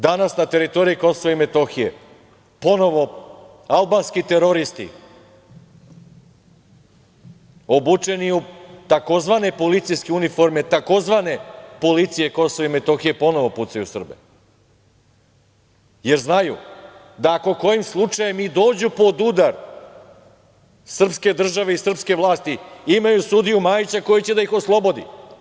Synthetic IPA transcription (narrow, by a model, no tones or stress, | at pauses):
d̪anasnat̪e̞ɾit̪o̞ɾijiko̞soʋaime̞t̪o̞xije̞̰ | po̞no̞ʋo̞ | alˠbanskit̪e̞ɾo̞ɾist̪ḭ | o̞but͡ʂe̞niut̪ako̞zʋane̞po̞lit̪sijskeunifo̞ɾme̞t̪ako̞zʋane̞po̞lit̪sije̞ko̞soʋaime̞t̪o̞xije̞po̞no̞ʋo̞put̪sajusr̩bḛ | je̞ɾznajṵ | d̪aːko̞ko̞jimslˠut͡ʂajemid̪o̞ːd͡ʑupo̞d̪ud̪aɾ | sr̩pske̞d̪r̩ʒaʋe̞isr̩pskeʋlˠaːst̪iimajusud̪ijumaːjit͡ɕako̞jit͡ɕe̞d̪aixo̞slˠo̞bo̞d̪ḭ